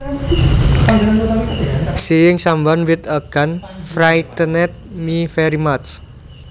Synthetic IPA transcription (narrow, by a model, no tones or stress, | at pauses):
sijɪŋsambanwɪt̪aɡ̥anfɾait̪ənɛt̪̚mifɛɾimat͡ʃ